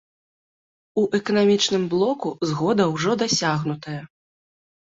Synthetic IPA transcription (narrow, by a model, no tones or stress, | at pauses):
uʔɛkɐnamʲit͡ʂnɨmblˠɔkuzɣɔd̪ɐwʐɔd̪asʲaɣnut̪ɐjɐ